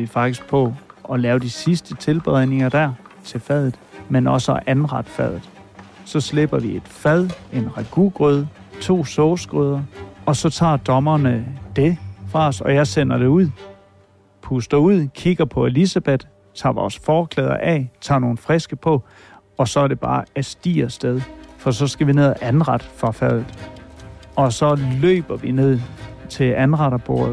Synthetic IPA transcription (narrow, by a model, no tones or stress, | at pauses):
ʋifɑ̈ɡ̥d̥isɡ̥̚pʰɒ̽ʔɒ̽lɛːʊd̥isisd̥ət͡sʰe̝lb̥eð̰ˠne̝ŋɐd̥æɐt͡sʰe̝lfæð̞̰ˠð̩ˠmenɒ̽səɒʔænʁɑd̥əfæð̰ˠð̩ˠ | sɒ̽sle̝b̥ɐʋie̝d̥fæð̞̰ˠe̝nʁɑɡ̥uɡ̥ʁyð̞ˠ | t͡sʰo̝̰ːsɔʊsɡ̥ʁɔð̞ˠɐɒ̽sɒ̽t͡sʰɑ̰̈ːd̥ɒ̽mɐnəd̥e̝fʁɑ̈ɒsɒ̽jɑ̈ɪsen̰ɐd̥e̝uð̞̰ˠ | pʰusd̥ɐuð̞̰ˠkʰiɡ̥ɐpʰɒ̽elisæb̥ed̥ | t͡sʰɑ̰̈ːʋɒ̰ːsfɒːkʰlɛːð̞ˠɐ̰ʔɛ̰t͡sʰɑ̰̈ːno̝ːn̩fʁesɡ̥əpʰɒ̽ | ɒ̽sɒ̽æɐɾ̥e̝b̥ɑ̈ːæsd̥ḭːɐsd̥eð̞ˠfɒ̽sɒ̽sɡ̥æʋine̝ð̞̰ˠæʔænʁɑ̈d̥fʁɑ̈fæð̰ˠð̩ˠ | ɒ̽sɒ̽lø̰ːb̥ɐʋine̝ð̰ˠt͡sʰe̝ænʁɑ̈ɾɐb̥o̝ɐ